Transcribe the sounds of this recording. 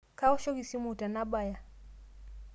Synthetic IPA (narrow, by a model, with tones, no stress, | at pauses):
ka˦ɔ˦ʃɔ˦ɣi˨si˦mu˦˨ta˨na˦ɓa˨ja˨